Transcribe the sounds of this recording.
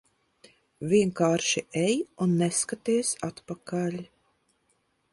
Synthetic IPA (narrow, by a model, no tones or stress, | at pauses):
vʲiɛŋkaːɾʃiʔɛjunːɛskat̪iɛsat̪pakalʲ